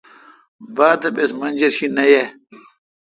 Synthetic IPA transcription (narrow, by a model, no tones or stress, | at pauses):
baːt̪ɐpesmɐnʲd͡ʑɐɾɕinɐje